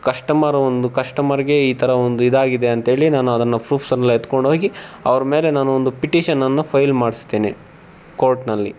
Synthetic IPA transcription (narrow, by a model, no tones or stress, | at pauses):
kɐʂʈɐmɐɾɐond̪ukɐʂʈɐmɐɾiɡe̞iːt̪ʰɐɾɐond̪uid̪aːɡid̪e̞ɐnt̪ɐɦe̞ːɭinaːnuɐd̪ɐnːɐpɾuːpsɐnɐlːɐet̪ko̞ɳɖɦoːɡiɐ̰ʋɐɾɐme̞ːle̞naːnuond̪upiʈiːʃɐnːɐnːɐpʰɐjlmaːɽisd̪eːne | koːɾʈnɐlːi